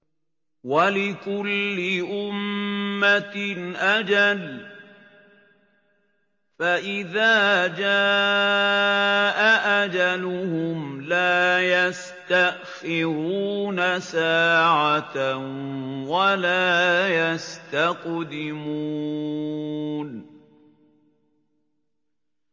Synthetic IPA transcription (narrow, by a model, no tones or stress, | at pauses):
walɪkʊlːɪʔʊmːaʔad͡ʒal | faʔɪðaːd͡ʒaː | ʔaʔad͡ʒalʊhʊmlaːjas | t̪aʔxɪɾuːnasaːʕat̪ | walaːjast̪aqd̪ɪmuː | n